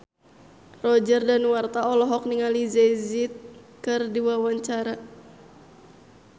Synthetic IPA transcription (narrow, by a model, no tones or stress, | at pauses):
rɔd͡ʒɛrdanwart̪aɔlɔɦɔk̚niŋalizezit̪̚kɨrdiwawaɲt͡ʃaɾa